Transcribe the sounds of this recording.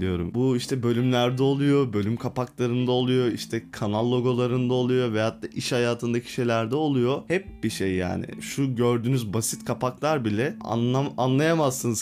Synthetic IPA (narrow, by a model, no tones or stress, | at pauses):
lijo̞̰ɾṵmbuiʃt̪ʰɛbø̞lʲymlʲæɾd̪ɛo̞lˠujo̞bø̞lʲymkʰapaklˠaɾɯnd̪ao̞lˠujo̞iʃt̪ʰɛkʰanalˠːo̞ɡo̞lˠaɾɯnd̪ao̞lˠujo̞vɛhat̪ʰːaːʔiʃhajaːt̪ʰɯnd̪acʰi̥ʃe̞jlʲæɾd̪ɛo̞lˠujo̞hɛp̚biʃejːa̰ːnɪ̰ʃuɟøɾd̪yːnyzbasit̪kʰapaklˠaɾbilʲɛa̰aanlˠajamazsɯnz